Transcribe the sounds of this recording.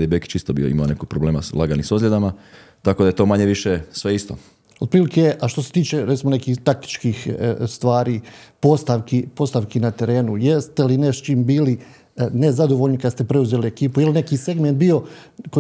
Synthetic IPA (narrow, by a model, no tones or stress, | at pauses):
d̪ebekt͡ʃist̪obḭo̰ḭmaonekoɡ̚pɾobleːmaslˠaɡanisozlʲed̪ama | t̪ako̞d̪ajet̪o̞ːmaɲeʋiʃesʋe̞ist̪o̰ | od̪̚pɾiːlikeʔaʃt̪o̞se̞t̪iːt͡ʃe̞ɾet̪simo̞ne̞kiːxt̪ak̚t̪i̥t͡ʃkixst̪ʋaːɾiːpo̞st̪aʋkipo̞st̪aʋkinat̪e̞ɾe̞ːnuje̞st̪e̞lineʃt͡ʃiːmbiːli | ne̞zad̪o̞ʋo̞lʎnikad̪st̪e̞pɾe̞uzeːliekiːpujeline̞kiːse̞ɡme̞nt̪̚bio̞ko